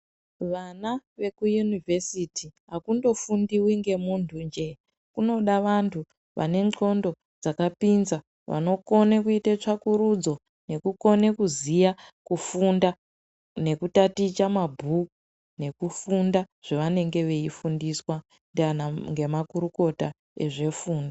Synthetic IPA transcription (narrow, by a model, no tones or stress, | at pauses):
ʋanaʋe̞kujunivesitiɦakundo̞fundiwiŋɡe̞muntʰund͡ʒe̞ | kuno̞ɗaʋantʰu | ʋʔa̰ne̞nŋ͡ǃo̞ndo̞ | d͡zakapinza | ʋa̰no̞ko̞nekuitet͡ʂakuɾud͡zo̞ | ne̞kuko̞ne̞kuzijakufunda | ne̞kutatit͡ʃamabʱuku | ne̞kufunda | ʐ̥eʋane̞ŋɡe̞ʋe̞ifundiswa | ndanaŋɡe̞makuɾuko̞ta | e̞ʐe̞fuːnda